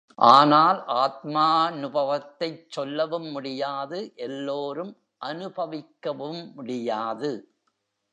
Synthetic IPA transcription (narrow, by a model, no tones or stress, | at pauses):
ʔaːnaːlʔaːt̪̚maːnʊbɐʋɐt̪ːɐɪt͡ʃːɔlːɐʋɯmːʊɽɪjaːðɯʔɛlːoːɾɯm | ʔɐnɯbɐʋɪkːɐʋɯmːʊɽɪjaːðɯ